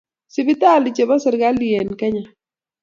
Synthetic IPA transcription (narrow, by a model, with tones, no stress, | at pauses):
sɪ˨bɪ˦t̪a˦˨lɪ˨t͡ʃe˨ba˦sɛ˨ɾɡa˦liɛ˨nkɛ˦ɲa˨